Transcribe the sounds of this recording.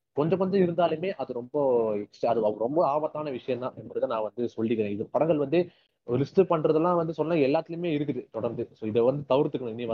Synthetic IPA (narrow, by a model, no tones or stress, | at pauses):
kɔɲd͡ʒɐ̃kɔɲd͡ʒɐ̃ɪɾɯnd̪aːlɯmeːʔɐðɯɾɔmbɐɛksʈɐɐðɯɐɾɔmbɐaːbɐt̪ːaːnɐʋɪʂɐjɐ̃nãːʔɛmbɐɾɯðɐnãːʋɐnd̪ɯsɔɭːɪkːɐɾẽːɪðɐpɐɽɐŋɡɐɭʋɐnd̪ɯ | lɪst̪ɯpɐɳːɾɐðɐlːãːʋɐnd̪ɯsɔlːɐnaːɛlːaːt̪ːɪlɯmeːɪɾɯk̬ːɯðɯt̪ɔɽɐɾnd̪ɯsoːɪðɐʋɐnd̪ɯt̪ɐʋɪɾt̪ːɯkːɐɳɯ̃ɪnːiʋɐ